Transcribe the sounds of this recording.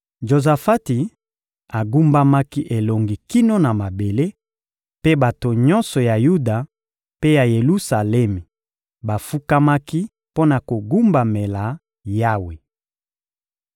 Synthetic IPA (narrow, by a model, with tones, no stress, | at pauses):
ʒo˨za˨fa˦ti˨ | a˨ɡu˦mba˦ma˦ki˦ʔe˨lo˨ŋɡi˨ki˦no˦na˨ma˨be˨le˦ | pe˦ba˨to˨ɲɔ˦nsɔ˨ja˨ju˦da˨ | pe˦ja˨je˨lu˦sa˨lɛ˦mi˨ | ba˨fu˦ka˦ma˦ki˦ | po˦na˨ko˨ɡu˦mba˨me˨la˨ | ja˦we˨